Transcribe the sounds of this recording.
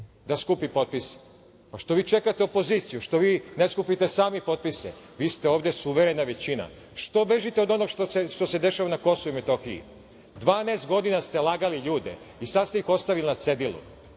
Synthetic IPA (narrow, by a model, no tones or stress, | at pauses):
d̪askupipo̞t̪̚pise̥ | paʃt̪o̞ʋiːt͡ʃekat̪eopo̞ziːt̪sijuʃt̪o̞ʋiːneskupit̪esaːmipo̞t̪̚pise | ʋiːst̪e̞oːʋd̪e̞suʋeɾe̞naʋe̞t͡ɕina̰ | ʃt̪o̞be̞ʒit̪eo̞d̪o̞noɡʃt̪oseʃt̪o̞se̞d̪e̞ʃaʋanako̞souimet̪oxiḭ | d̪ʋaːneːst̪̚ɡo̞d̪inast̪e̞lˠaːɡaliʎuːd̪e̞̰ | isad̪st̪eixo̞st̪aʋilinat̪se̞d̪ilṵ